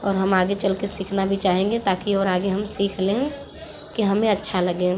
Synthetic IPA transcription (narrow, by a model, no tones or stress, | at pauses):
ɔːɾɦɐmaːɡet͡ʃəlkesiːkʰnabʱit͡ʃaːɦẽːŋɡet̪aːkiɔːɾaːɡeɦəmsiːkʰlẽ | kiɦɐmẽɐtːʃʰaləɡẽː